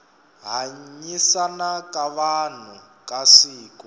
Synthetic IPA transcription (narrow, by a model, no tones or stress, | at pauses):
ɦaɲisanakʼaβan̤u | kʼasiːkɔ